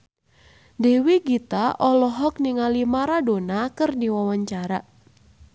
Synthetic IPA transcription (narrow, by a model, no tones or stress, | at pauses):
dɛwiɡit̪aʔɔlɔɦɔk̚niŋalimaɾadonakɨrdiwawaɲt͡ʃaɾa